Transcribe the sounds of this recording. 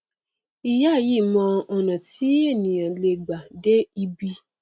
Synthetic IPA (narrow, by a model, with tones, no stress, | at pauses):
i˧ja˦˨ji˦˨mɔ̃˧ɔ˨nã˨ti˦e˦˨nĩ˨ã˨le˧ɡ͡ba˨de˦i˧bi˧